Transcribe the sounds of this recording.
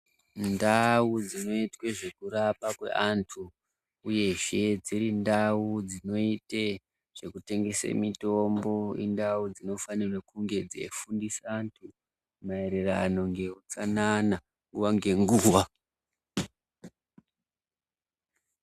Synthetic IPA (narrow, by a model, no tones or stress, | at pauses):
ndaud͡zino̞itwe̞ʐe̞kuɾapakwe̞̰ʔantʰu | uje̞ʐe̞d͡ziɾindaud͡zino̞ite | ʐ̥e̞kute̞ŋɡe̞sḛmito̞mbo̞ḭndaud͡zino̞fanirwekuŋɡe̞d͡zḛfundisaːntʰu | maeɾera̰no̞ŋɡe̞ut͡sanana | ŋɡuwaŋɡe̞ŋɡuːwa